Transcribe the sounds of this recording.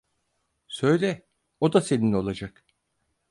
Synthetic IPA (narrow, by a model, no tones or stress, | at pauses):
sø̞jlʲɛ | o̞d̪ase̞nino̞lˠad͡ʒak